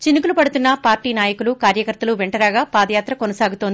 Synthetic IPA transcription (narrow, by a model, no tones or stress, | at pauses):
t͡ʃinikulupɐɽut̪unːɐpaːɾʈiːnaːjɐkulukaːɾjɐkɐɾt̪ɐluʋeɳʈɐɾaːɡaːpaːd̪ɐjaːt̪ɾɐkonɐsaːɡut̪oːnd̪i